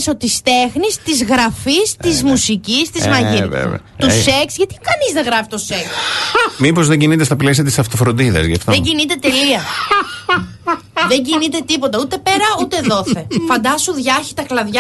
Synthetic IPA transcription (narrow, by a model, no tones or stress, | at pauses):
so̞t̪ist̪e̞xnist̪izɣɾɐfist̪izmusicist̪izmɐʝḭt̪useksʝɐt̪i̥kɐnizðeɣɾɐfi̥t̪o̞seksmipo̞zðeɲɟinit̪est̪ɐplesiɐt̪isɐft̪o̞fɾo̞nd̪iðɐ̰zʝɐ̰ft̪oðeɲɟinit̪e̞t̪e̞liɐ | ðe̞ɲɟinit̪e̞t̪ipo̞t̪ɐut̪e̞pe̞ɾɐut̪e̞ðo̞θe̞fɐnd̪ɐsuðʝɐçi̥t̪ɐklɐðʝɐ